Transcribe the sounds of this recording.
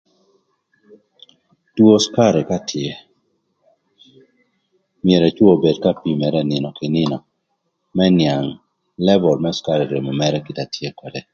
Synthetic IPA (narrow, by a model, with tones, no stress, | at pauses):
two˦ska˦ɾe˨ka˦tʰɪe˨ | mɪe˨ɾɛ˨t͡ʃwo˨be˨dka˦pi˦mɛ˨ɾɛ˦nɪ˨nɔ˨kɪ˨nɪ˦nɔ˨ | mɛ˦nja˨ŋ | lɛ˦bɔ˨lmɛ˦ska˦ɾe˨ɾe˨mo˨mɛ˦ɾɛ˦kɪ˨ta˨tje˦kwɔ˨dɛ˨